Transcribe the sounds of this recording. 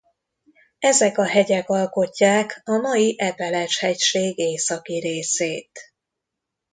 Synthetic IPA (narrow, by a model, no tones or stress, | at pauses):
ɛzɛkɒɦɛɟɛkɒlko̞cːaːkɒmɒjiʔɛpɛlɛʃhɛcʃeːɡeːsɒkiɾeːseːt̪